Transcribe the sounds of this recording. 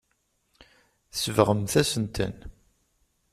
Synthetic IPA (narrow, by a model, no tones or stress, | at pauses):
səvʁəmθæsənt̪ə̰n